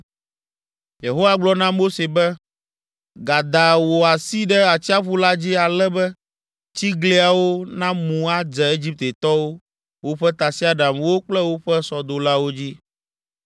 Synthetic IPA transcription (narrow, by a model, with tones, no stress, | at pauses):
je˨ɦo˦wa˦ɡ͡blɔ˦nã˦mo˦se˨bɛ˦ | ɡa˨d̪a˨wo˨a˨si˦ɖɛ˦a˨t͡ɕi˦a˦ɸu˦la˦d͡ʑi˦a˨lɛ˦bɛ˦ | t͡ɕi˦ɡle˦a˨wo˦nã˦mũ˨a˦d͡ʒɛ˨e˦d͡ʑi˦p̚t̪e˨t̪ɔ˦wo˦ | wo˦ɸɛ˦t̪a˨si˦a˦ɖa˨mwo˦k͡plɛ˦wo˦ɸɛ˦sɔ˨d̪o˨la˦wo˦d͡ʑi˦